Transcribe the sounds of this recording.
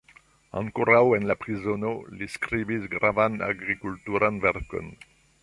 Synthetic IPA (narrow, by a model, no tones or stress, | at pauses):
ɑ̰̃ŋkuɾawɛnlapʁizɔnoliskɾibisɡɾavana̰ɡʁikult̪uɾanvɛɾkɔ̰n